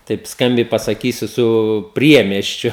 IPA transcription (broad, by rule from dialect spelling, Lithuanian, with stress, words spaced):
tɐɪp ˈskɐmʲbʲɛɪ pɐsɐˈkʲiːsʲʊ sʊ ˈpʲrʲiɛmʲiɛsʲt͡ʃʲʊ